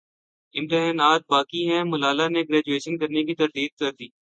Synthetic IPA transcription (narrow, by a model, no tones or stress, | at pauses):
ɪ̃mʈeɦɛːnaːt̪̚baːkiɦɛ̃mʊlaːlaneɡɾɛːd͡ʒueːʃənkɐɾnekit̪ɐɾd̪iːd̪̚kɐɾd̪iː